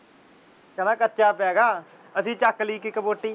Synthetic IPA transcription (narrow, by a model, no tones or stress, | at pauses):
kənaːkətːʃaːpɛːɡaː | əsĩːt͡ʃəkːliːkikəboːʈːiː